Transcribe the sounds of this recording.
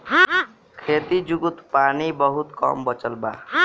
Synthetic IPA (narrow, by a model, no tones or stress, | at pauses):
kʰet̪id͡ʒuɡut̪panibʌɦut̪kɔ̰mbʌt͡ʃʌlba̰